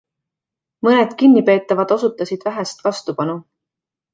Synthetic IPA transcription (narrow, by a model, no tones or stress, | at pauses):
mɤned̪̥kinʲːipe̞ːt̪ːˑɑvɑd̪̥o̞sut̪ːˑɑsid̪̥væɦæst̪vɑst̪upɑnu